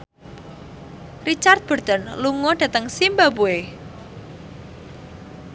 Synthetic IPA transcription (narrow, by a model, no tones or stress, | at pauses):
rit͡ʃart̪̚b̥ə̤rd̪̥ənluŋɔd̥ä̤t̪əŋsimbabue